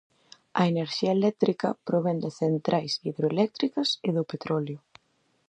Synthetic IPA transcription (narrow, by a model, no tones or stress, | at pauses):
ɐeneɾʃiaelɛk̚t̪ɾikɐ̰pɾoβɛnd̪ɪθent̪ɾʔajsiðɾoelɛk̚t̪ɾikɐseðopet̪ɾɔljʊ